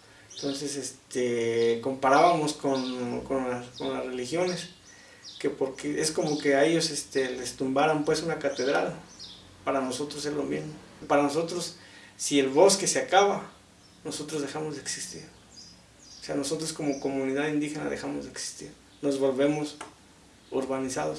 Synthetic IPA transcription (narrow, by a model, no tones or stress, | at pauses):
ent̪o̞nse̞sest̪eko̞mpaɾaβamo̞skonkonako̞nlazre̞lixjo̞ne̞s | ke̞po̞ɾkeʔe̞sko̞mo̞ke̞aeʝo̞sest̪e̞lest̪umbaɾampwe̞sunakat̪e̞ðɾal | paɾanoso̞t̪ɾose̞zlo̞mizmopaɾano̞so̞t̪ɾo̞sː | ie̞lβo̞ske̞seakaβa | no̞so̞t̪ɾozðexamo̞zðeksist̪iɾ | oseano̞so̞t̪ɾosko̞moko̞mũniðaðind̪ixe̞na̰ðe̞xamozðeksi̥st̪ḭɾ | no̞zβo̞lβe̞mos | oɾβanisaðos